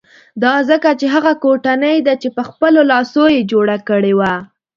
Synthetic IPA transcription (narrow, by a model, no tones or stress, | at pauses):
d̪ɑzəkat͡ʃeɦaɣakoʈanəjd̪at͡ʃepəxpəlolɑsojed͡ʒoɽakəɽewa